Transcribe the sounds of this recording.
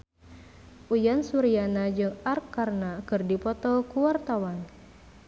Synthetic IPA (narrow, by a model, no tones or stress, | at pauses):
ʔujansuɾianad͡ʒɨŋarkːarnakɨrdipɔt̪ɔkuwart̪awan